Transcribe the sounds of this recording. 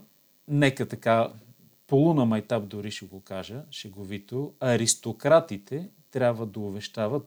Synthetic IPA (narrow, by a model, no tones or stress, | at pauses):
nɛkət̪ɐka | polˠunɐmɐjt̪ap̚d̪ʊɾiʃɛɡokaʒəʃɛɡovit̪oɐɾist̪okɾat̪it̪ʰɛt̪ɾʲabvəd̪ɐʊbɛʃt̪avət̪